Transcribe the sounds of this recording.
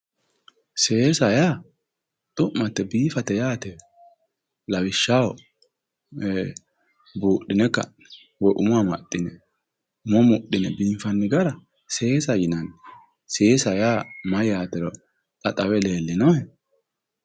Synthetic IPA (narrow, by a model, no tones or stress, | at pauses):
se̞ːsɐjaː | t̪ʼʊʔmɐt̪ːɛbiːfɐt̪ːɛjaːt̪ɛ | lɐwɪʃːaːwɔ | buːɗːɪnɛkːɐ̰ | wɔjʔʊmʊamɐtːɪnɛ | ʊmɔmʊɗɪnɛbiːfɐnːɪɡɐɾɐ | se̞ːsɐjɪnɐn | seːsɐjaːmɐjaːt̪ɛɾɔ | tʼɐt̪ʼɐwɛle̞ːlːɪnɔɛ